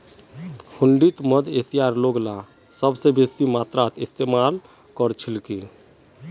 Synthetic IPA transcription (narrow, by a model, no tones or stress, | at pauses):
hʊ̃ɳɖit̪məd̪eːsijaːɾloːɡla | səbsebeːsimaːt̪ɾaːt̪ʰɪst̪eːmaːl | kɔɾt͡ʃʰɪlkiː